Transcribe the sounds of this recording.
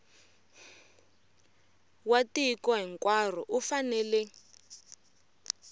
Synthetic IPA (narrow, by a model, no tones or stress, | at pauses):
watikɔɦɛŋkʼwar̤ɔʔufanɛːlɛ